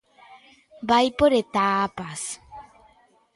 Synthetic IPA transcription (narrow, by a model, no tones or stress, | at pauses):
bajpoɾet̪aːpas